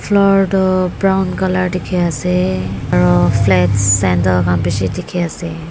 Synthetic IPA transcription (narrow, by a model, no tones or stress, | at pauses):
fʰlɔɹdɔbɹawnkalaɹtikʰiasɛaɹɔfʰlɛtsɛntɔkampisitikʰiasɛ